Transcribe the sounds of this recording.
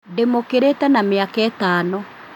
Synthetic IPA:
demokeɾetɛnameakɛːtaːnɔ

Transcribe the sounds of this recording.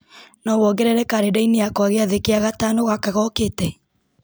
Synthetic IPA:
nɔβɔɡɛɾɛɾɛkaɾedaineakɔaɣeaðekeaɣatanoɣakaɣɔketɛ

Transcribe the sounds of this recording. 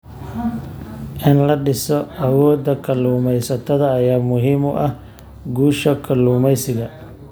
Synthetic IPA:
ʔɪnlɐɖɪsɔʔɐwɔːd̪ɐkʰɐluːmɛjsɐt̪ʰɐðɐːjaːmʊɦiːmʊʔɐh | ɡuːʃɐkʰɐluːmɛjsɪɣɐ

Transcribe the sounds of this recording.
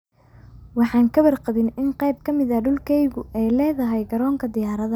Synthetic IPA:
wɑħɑːŋkʰɐβɐrqɑβɪnɪnqɛjb̚kʰɐmɪðɐɖʊlkʰɛjɣʊʔɛjlɛːðɐɦɛjɡɐɾɔːŋkʰɐd̪ɪjaːɾɐðɐ

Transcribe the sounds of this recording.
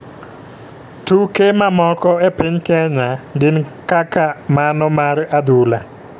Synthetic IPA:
tukemamɔkɔepiɲkɛɲandɪnkakamanɔmaɾad̪ula

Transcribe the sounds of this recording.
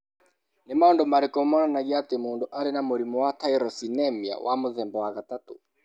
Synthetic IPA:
nɛmaɔndɔmaɾikɔmananaɡiat̪ɛmundɔʔaɾɛnamuɾimuwataiɾɔsinɛmia̰wʔamuðɛmbɔwaɣatatu

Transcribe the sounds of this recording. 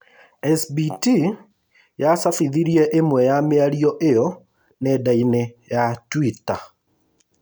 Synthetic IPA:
ɛsbiti | jasafiðiɾiɛʔemwɛjameaɾiɔʔejɔ | nedainejatwita

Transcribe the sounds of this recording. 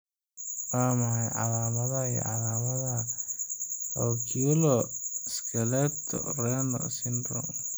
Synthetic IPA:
waːmɐʕajʕɑ̰laːmɐðɐḭʕɑlaːmɐð | ɔːkʰilɔskʰɛlɛt̪ʰːɔ̰rɛnɔ̰sɪnd̪ɾɔ̰

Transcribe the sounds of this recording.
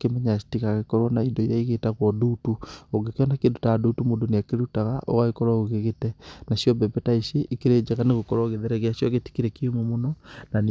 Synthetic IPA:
kemɛɲasi̥tikaɣekɔɾwɔnaindɔijaiɣetaɣwɔdutuoɡekeɔnakedutaadutumodoneakeɾutaɣaʔɔ̰ɣaekɔɾwaɣoɣeɣetɛnaʃjɔbɛbɛtaiʃeʔikeɾed͡ʒeɣaneɣokɔɾaɣeðeɾɛɣeaʃjɔɣeti̥keɾekiomomonɔnan

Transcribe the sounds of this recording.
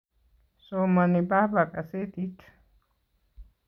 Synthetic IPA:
somanibahbakʼaset̪ʼit̪ʰ

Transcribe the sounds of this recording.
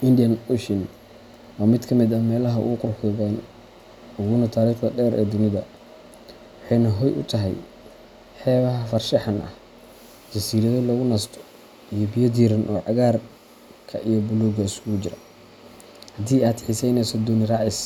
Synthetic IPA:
ʔɪnd̪ɪjɐnʊʃɪn | ʔaːmɪd̪kʰɐmɪd̪ɐmɛːlɐɦɐʊ̰ɣʊqʊrħuːɣɛn | ʊɣuːnɐt̪ʰaːɾiːχdɐ̰ɖɛːɾʔɛ̰ːd̪ʊnɪðɐ̰ | wɑħɑjnɐɦɔjʔʊ̰t̪ʰɐɦɛ̰j | ħɛːβɐɦɐfɐrʃɐħɐnʔɐ̰h | d͡ʒɐsiːɾɐðɔlɔɣʊnɐst̪ʰɔ̥ | ijɔbɪjɐd̪iːɾɐnʔɔ̰ːʕɑɣaːr | kʰɐ̰ʔijɔbʊluːɡɐɪsʊɣʊd͡ʒɪɾɐ̰ | hɐd̪iːaːd̪ħɪsɛjnɛsɔd̪ʊnɪɾɑːʕɪs

